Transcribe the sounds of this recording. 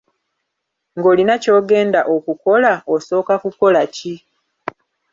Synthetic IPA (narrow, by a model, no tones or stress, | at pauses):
ŋɡo̞ːlinaco̞ːɡe̞ːndaʔokuko̞laoso̞ːkakuko̞laci